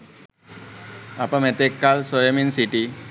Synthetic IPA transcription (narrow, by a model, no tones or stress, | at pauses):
apãmɛt̪ekːalsɔjeminsiʈi